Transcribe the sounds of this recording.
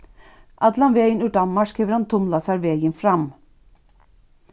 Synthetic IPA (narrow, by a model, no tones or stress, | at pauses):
ʔɑd̪lɑnʋeːjənʉʈɑmːɑʂkʰiːʋəɾhɑnt̪ʰʊmlɑsɑɾʋeːjənfɾɑm